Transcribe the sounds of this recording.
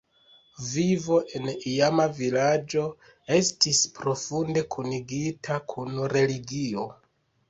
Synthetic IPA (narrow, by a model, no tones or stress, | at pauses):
vivo̞ʔe̞nijamavilad͡ʒo̞ | e̞stispɾo̞funde̞kʰuniɡitʰakʰunɾe̞liɡio̞